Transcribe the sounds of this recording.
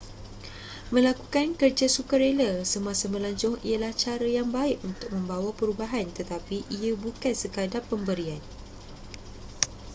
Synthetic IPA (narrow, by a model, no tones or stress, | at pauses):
mə̃lakukankərd͡ʒasukaɾeləsəmãsamə̃laɲt͡ʃʊŋḭalaht͡ʃaɾajaŋbaɪʔunt̪ʊk̚mə̃mbawapəɾubaɦant̪ət̪apiʔiabukansəkadapːəmbəɾian